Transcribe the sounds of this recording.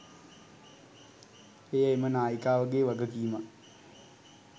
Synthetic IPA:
ejəemənaːjikaːʋəɡeːʋaɡəkiːma

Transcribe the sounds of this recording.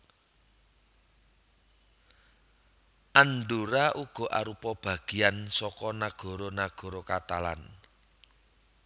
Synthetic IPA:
ʔanɖuɾaʔuɡ̥ɔ̤ʔa̰ɾupɔb̥ä̤ɡ̥iansɔkɔnaɡ̥ɔ̤ɾonaɡ̥ɔ̤ɾokat̪ala̰n

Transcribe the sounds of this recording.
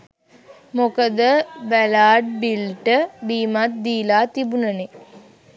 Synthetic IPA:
mokəd̪əʋælaːʈ̚bilʈəbiːmat̪̚d̪iːlaːt̪ibunəne

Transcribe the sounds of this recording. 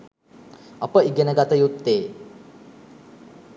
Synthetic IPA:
ɐpəiɡenəɡat̪əjut̪ːeː

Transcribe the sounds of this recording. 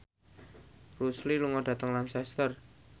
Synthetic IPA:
rusliluŋɔɖ̥ä̤t̪əŋlansɛst̪ər

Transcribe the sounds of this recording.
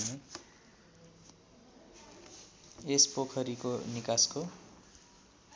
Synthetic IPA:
ne | espokʰʌɾikonikasko

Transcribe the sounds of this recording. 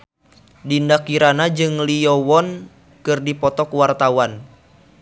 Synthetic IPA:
dindakiɾanad͡ʒɨŋliɔwɔn | kɨrdipɔt̪ɔkuwart̪awan

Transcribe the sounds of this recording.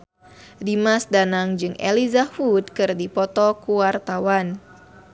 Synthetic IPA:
dimasdanaŋd͡ʒɨŋʔelizahut̪̚kɨrdipɔt̪ɔkuwart̪awan

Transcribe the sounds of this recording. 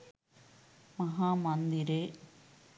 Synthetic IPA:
mɐɦaːmɐnd̪iɾeː

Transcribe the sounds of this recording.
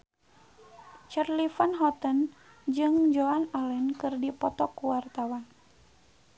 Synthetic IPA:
t͡ʃərlifanɦɔt̪ən | d͡ʒɨŋd͡ʒoanalɛnkɨrdipɔt̪ɔkuwart̪awan

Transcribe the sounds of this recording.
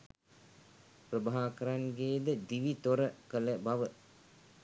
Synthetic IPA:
prəbaɦaːkəɾaŋɡeːd̪əd̪iʋit̪oɾəkələbaʋə

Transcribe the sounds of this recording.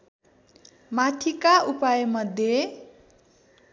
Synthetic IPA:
maʈʰikaʔupajʌmʌd̪ʱje

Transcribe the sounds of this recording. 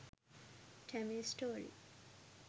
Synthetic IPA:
ʈʰɛmisʈoːɾḭ

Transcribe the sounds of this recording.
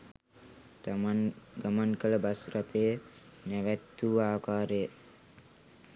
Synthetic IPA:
ɡəmənkələbasɾat̪eə | nɛʋɛt̪ːuːaːkaːɾe

